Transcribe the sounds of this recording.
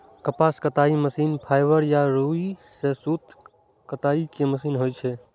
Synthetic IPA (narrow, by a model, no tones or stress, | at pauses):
kəpaːskət̪aːiməsiːnpʰaːjʋəɾjaɾuisesuːt̪ | kət̪aːikeməsiːnɦoːjt͡ʃʰe